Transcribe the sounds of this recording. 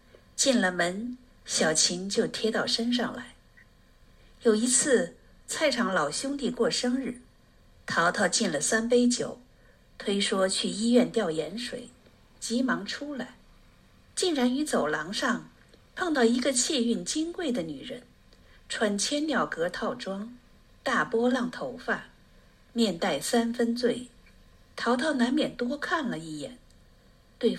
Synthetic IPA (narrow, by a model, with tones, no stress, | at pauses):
t͡ɕi˥˩nlə˩mə˧˥n | ɕjɑ˨˩ʊt͡ɕʰi˧˥ŋt͡ɕjo˥˩ʊt̪ʰjɛ˥t̪ɑ˥˩ʊʂə˥nʂ̬ɑ˥˧˩ŋla˧˥ɪ | jo˨˩ʊi˧˥t͡sʰɹ̩˥˩ | t͡sʰa˥˩ɪʈ͡ʂʰɑ˧˥ŋlɑ˨˩ʊɕjʊ˥ŋt̪i˥˧kwɔ˥˩ʂɤ˥ŋɻ̩˥˩ | t̪ʰɑ˧˥ʊt̪ʰɑ˥˧ʊt͡ɕi˥˩nlə˩sa˥np̬e˥ɪt͡ɕjo˨˩˦ʊ | t̪ʰwe˥ɪʂwɔ˥t͡ɕʰy˥˩i˥ɥɛ˥˧nt̪jɑ˥˩ʊjɛ˧˥nʂwḛ˨˩˦ɪ | t͡ɕi˧˥mɑ˧˥ŋʈ͡ʂʰu˥la˧˩˦ɪ | t͡ɕi˥˩nɻa˧˥ny˧˥t͡so˨˩ʊlɑ˧˥ŋʂɑ˥˧ŋ | pʰɑ˥˧ŋt̪ɑ˥˩ʊi˧˥ɡə˧t͡ɕʰɛ˥˧y˥˩nt͡ɕi˥ŋkwe˥˩ɪd̪ə˩ny˨˩ɻə˧˥n | ʈ͡ʂʰwa˧˥nt͡ɕʰjɛ˥nljɑ˥˩ʊkɤ˧˥t̪ʰɑ˥˩ʊʈ͡ʂwɑ˥ŋ | t̪a˥˩pwɔ˥lɑ˥˩ŋt̪ʰo˧˥ʊfa˥˩ | mjɛ˥˧nt̪a˥˩ɪsa˥nfə˥nt͡swe˥˩ɪ | t̪ʰɑ˧˥ʊt̪ʰɑ˥˩ʊna˧˥nmjɛ˨˩nt̪wɔ˥kʰa˥˩nlə˩i˥˩jɛ̰˨˩˦n | t̪we˥˩ɪ